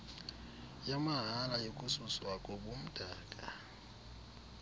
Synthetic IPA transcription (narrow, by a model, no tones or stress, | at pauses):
jamaɦalajokʼususwakʼɔbom̩dʼaːkʼa̰